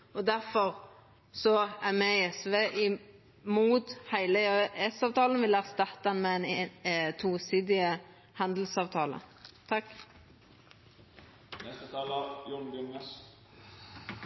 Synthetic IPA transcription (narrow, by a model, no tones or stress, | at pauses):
ɔd̪æʁfɔʁ | sɔæʁmɛɪɛsʋeːʔɪ | muːt̪hæɪləɛsɑːʋt̪ʰɑːlənʋɪlæːʁst̪ɑt̪ːɑnmɛɛnt̪ʰuːsiːd̪ɪə | hɑnd̪l̩sɑːʋt̪ʰɑːlə̰t̪ʰɑkː | nɛst̪ət̪ʰɑːləɾjɔnbʊŋəs